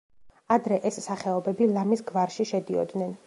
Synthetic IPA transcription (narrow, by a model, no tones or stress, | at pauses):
ad̪ɾɛʔɛsːaχɛɔbɛbilˠamisɡvaɾʃiʃɛd̪iɔ̰d̪nɛn